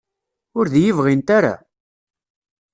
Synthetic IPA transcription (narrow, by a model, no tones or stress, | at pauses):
ʊɾðjəvʁint̪aɾa̰